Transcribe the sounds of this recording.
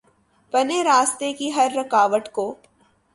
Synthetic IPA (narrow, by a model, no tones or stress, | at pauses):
pɐneɾaːst̪ekiɦɐɾːɐkaːʋəʈkoː